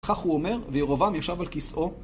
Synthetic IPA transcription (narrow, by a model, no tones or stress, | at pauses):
χaχhuome̞ʁvejeʁovamjaʃavalkisʔo̞